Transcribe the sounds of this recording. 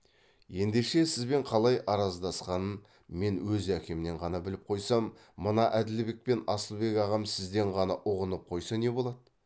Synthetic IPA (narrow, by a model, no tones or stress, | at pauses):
je̞nd̪e̞ʃe̞sɪzbe̞ɴqʰɑlˠɑjɑɾɑzd̪ɑsqɑnən | me̞nwɵzækʲe̞mɪne̞ɴʁɑnɑbɪlɪp̚qʰo̞jsɑmː | ənɑʔæd̪ɪlbe̞k̚pe̞nɑsəlˠbe̞kɑʁɑmsɪzd̪e̞ɴʁɑnɑʔʊʁənəp̚qʰo̞jsɑne̞bo̞lˠɑd̪ə